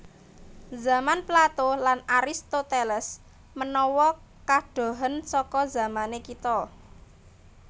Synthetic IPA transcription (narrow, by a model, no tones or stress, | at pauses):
za̤manplat̪olanaɾist̪ot̪elɛs | mənɔwɔ | kaɖ̥o̤ɦənsɔkɔza̤manekit̪ɔ